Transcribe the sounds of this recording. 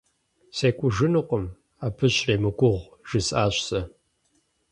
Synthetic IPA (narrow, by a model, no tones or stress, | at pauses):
seːkʷʼʊʒɨnɨqʷəm | aːpʰɨɕreːmɨkʷʼʊʁʷʒ̥ɨsʼaːɕʷsɐ